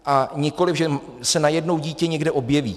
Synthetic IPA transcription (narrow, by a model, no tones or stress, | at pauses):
ʔaɲɪko̞lɪfvʒɛ | sɛnajɛdno̞wɟiːcɛɲɛɡdɛʔo̞bjɛvḭː